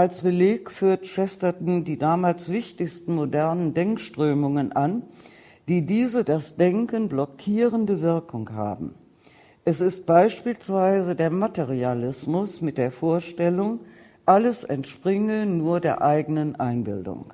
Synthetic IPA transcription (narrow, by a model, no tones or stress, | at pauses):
ʔalsb̥əleːkfyːɐtʃɛstɐtn̩diːdaːmaːlsv̥ɪçtɪçstn̩modɛɐnəndɛŋkʃtʁ̥øːmʊŋənʔan | d̥iːdiːzədasd̥ɛŋkənblɔkʰiːʁəndəvɪɐkʊŋha̰ːbm̩ | ʔɛsɪst̚b̥aɪʃpiːlsv̥aɪzədeːɐmateʁialɪsmʊsmɪt̚d̥eːɐfoːɐʃtɛlʊŋ | ʔaləsɛntʃpʁ̥ɪŋənuːɐdeːɐʔaɪɡənənʔaɪnbɪ̰ldʊ̰ŋ